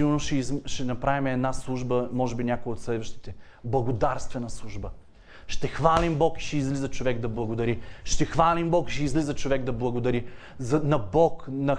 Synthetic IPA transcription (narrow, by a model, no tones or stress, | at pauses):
iɡoɾnoʃɛʃɛnɐpɾavimɛd̪naslˠuʒbəmɔʒɛbinʲakojəot̪slɛd̪vəʃt̪i̥t̪ɛ | blˠɐɡod̪aɾst̪vɛnɐslˠuʒbə | ʃt̪ɛxvalimbɔki̥ʃɛizlizɐt͡ʃovɛɡd̪ɐblˠɐɡod̪ɐɾiʃt̪ɛxvalimbɔki̥ʃɛizlizət͡ʃovɛɡd̪ɐblˠɐɡod̪ɐɾi | zɐnɐbɔknɐ